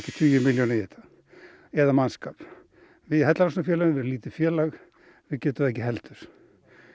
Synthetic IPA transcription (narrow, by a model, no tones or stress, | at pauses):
cɪ̥t̪ʰyːjʏmɪljɔnɪjɛt̪ḁ | ɛðamanskaːp | vɪðhɛt̪lalɾasnafjɛːlaɣnvɛɾliːt̪ɪfjɛːlaɣ | vɪðcɛːt̪ʏmðɛhcɪɦɛlt̪ʏɾ̥